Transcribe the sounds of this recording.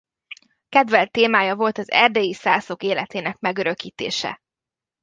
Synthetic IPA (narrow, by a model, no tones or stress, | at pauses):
kɛd̪vɛlt̪ːeːmaːjɒvo̞lt̪ɒzɛ̰rd̪eːjisaːso̞keːlɛt̪eːnɛkmɛɡøɾø̞kiːt̪ḛːʃɛ̰